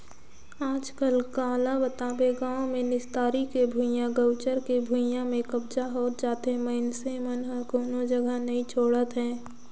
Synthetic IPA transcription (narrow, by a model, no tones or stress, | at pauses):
aːd͡ʒkəlkaːlabət̪aːbeɡãːõmẽnɪst̪aːɾikebʱujãɡəʊt͡ʃəɾkebʱujãmẽkəbd͡ʒaɦoːt̪̚d͡ʒaːt̪ɦɛ̃məɪnsemənɦəkoːnod͡ʒɐɡənɐɦĩt͡ʃʰoːɽət̪ɦɛ̃ː